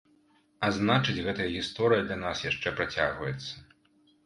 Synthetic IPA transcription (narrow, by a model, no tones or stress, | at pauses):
aznat͡ʂɨd͡zʲɣɛt̪ɐjɐɣʲist̪ɔɾɨjɐd̪lʲanasjaʂt͡ʂɛpɾat͡sʲaɣvɐjɛt̪sːɐ̥